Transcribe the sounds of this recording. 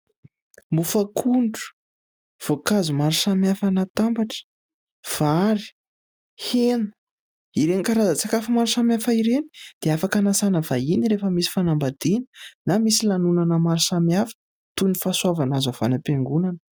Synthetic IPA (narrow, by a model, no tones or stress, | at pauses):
mbufakʰuɳɖ͡ʐu̥ | v̥okazumaɾusamjafanat̪ambaʈ͡ʂə̥ | v̥aɾi̥ | henu̥ | iɾenikaɾazət͡sakafimaɾusamjafaiɾeni̥d̪̥eafakanasanəvainiɾefəmisi̥fanambad̪̥ininamisilanunanəmaɾisamjafə̥ | t̪unifaswavanazav̥anəpeŋɡunanə